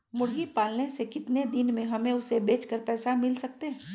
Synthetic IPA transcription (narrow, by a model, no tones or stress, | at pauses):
mʊɽɡipaːlnesekɪt̪ned̪ɪnmẽɦɐmẽʊsebeːt͡ʃkəɾpɛːsamɪlsɐk̚t̪eɦɛ̃ː